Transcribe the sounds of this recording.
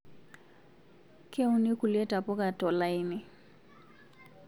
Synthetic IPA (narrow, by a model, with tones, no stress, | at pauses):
kɛ˦u˦ni˦ku˨lɛ˦ta˨pɔ˦ka˨tɔ˨la˦jnɪ˨